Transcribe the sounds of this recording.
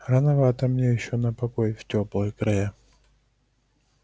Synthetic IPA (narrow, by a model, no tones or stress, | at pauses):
rɐnɐvat̪ɐmnʲejɪɕːonɐpɐkojftʲoplˠɨjkɾɐjɛ